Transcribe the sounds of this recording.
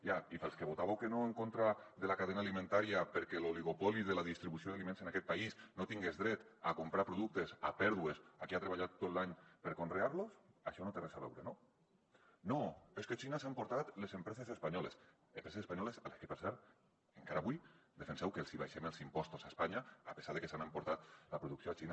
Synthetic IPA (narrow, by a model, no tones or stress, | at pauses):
jaifelˠskeβot̪aβewkenoeŋkont̪ɾaðelakaðenalimẽnt̪aɾiapeɾkɛloliɣopɔliðelaðist̪ɾiβusioðalimẽnsenakɛt̪̚paisnot̪iŋɡezðɾɛt̪akompɾapɾoðuk̚t̪esa̰pɛɾðuesakiat̪ɾeβaʎat̪ːot̪laɲpeɾkonreaɾlosaʃɔnot̪erezaβɛ̰wɾeno | noesket͡ʃinasaempoɾt̪at̪lezempɾɛsesespaɲɔles | empɾesesespaɲɔlesaleskepəɾsɛɾt̪̚ | eŋkaɾaβujd̪efensɛwkelsiβaʃemelˠzimpɔst̪osaspaɲaːpesaɾðekesanəmpoɾt̪at̪lapɾuðuksioat͡ʃina